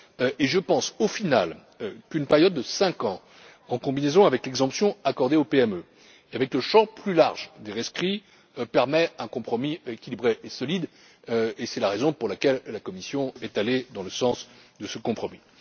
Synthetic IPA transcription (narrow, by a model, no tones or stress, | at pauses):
ʔeʒəpɑ̃sofinal | kynpɛʁjɔd̪ːəsɛ̃kɑ̃ | ɑ̃kɔ̃binezɔ̃avɛklɛɡzɑ̃psjɔ̃akɔʁd̪eopeɛmø | eavɛkləʃɑ̃plylaʁʒd̪eʁɛskχi | pɛʁmɛɛ̃kɔ̃pχɔmiekʲilibʁeʔesɔlid̪ | esɛlaʁezɔ̃puʁlakʲɛlːakɔmisjɔ̃ɛt̪aled̪ɑ̃ləsɑ̃sd̪əsəkɔ̃pχɔmi